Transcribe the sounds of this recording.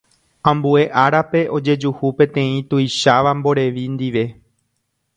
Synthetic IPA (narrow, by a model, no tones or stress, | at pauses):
ãmbue̞ʔaɾape̞ʔo̞d͡ʒe̞d͡ʒuhupẽ̞t̪ẽ̞ĩt̪ujʃaʋambo̞ɾe̞ʋind̪iʋe̞